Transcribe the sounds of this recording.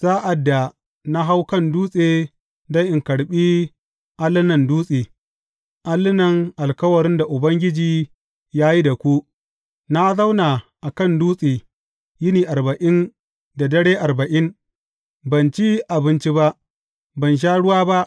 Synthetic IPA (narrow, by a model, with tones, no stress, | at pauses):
z̥aː˦ʔa˨dːa˨ | na˦ɦa˦wkɐ˦nduː˦sʼeː˨ | da˦jʔɪ˨ŋkɐ˨ɽɓiː˦ | ʔa˦lːɪ˦nɐ˨nduː˦sʼeː˨ | ʔa˦lːɪ˦nɐ˨ŋʔa˨lkɐ˦wɐ˨ɾɪ˦nda˨ʔʊ˨bɐ˦ŋɡʲɪ˦d͡ʒiː˨ | jaː˦ji˦da˨kʷu˦ | na˦za˦wna˨ʔa˨kɐ˦˨nduː˦sʼiː˨ | jɪ˦niː˨ʔa˨ɾbɐ˨ʔɪ˦n | da˨dɐ˦ɽeː˦ʔa˨ɾbɐ˨ʔɪ˦n | bɐ˨nt͡ʃi˦ʔa˨bɪ˦nt͡ʃi˦ba˦ʔ | bɐ˨nʃ̬aː˦ɽʊ˦waː˦ba˦ʔ